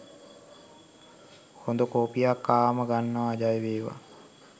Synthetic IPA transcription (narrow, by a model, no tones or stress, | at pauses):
hond̪əkoːpijakːaːməɡanːəʋaːd͡ʒajʋeːʋa̰